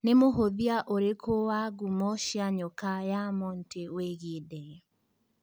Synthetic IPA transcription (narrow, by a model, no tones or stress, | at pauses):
nemoɦoðiaʔoɾekʰowaɡumɔʃiaɲɔkajamɔnteweɣidɛ